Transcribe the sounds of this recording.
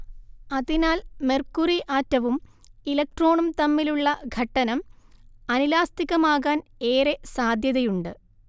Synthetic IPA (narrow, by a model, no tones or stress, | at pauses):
ɐðinaːlmerkuriʔaːtːɐʋum | ilɐk̚ʈro̞ːɳumt̪ɐmːiluɭːɐɡʱɐʈːɐnɐmɐnilaːst̪iɣɐmaːɣaːne̞ːresaːd̪ʱjɐðɐjuɳɖɨ